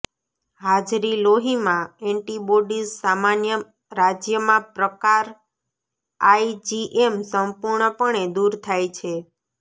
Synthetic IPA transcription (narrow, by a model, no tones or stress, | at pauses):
ɦad͡ʒɾiloɦimãɛɳʈibɔɖissamanjə | ɾad͡ʒjəmãpɾəkaɾ | aid͡ʒiʔemsəmpuɾɳəpəɳed̪uɾt̪ʰajt͡ʃʰe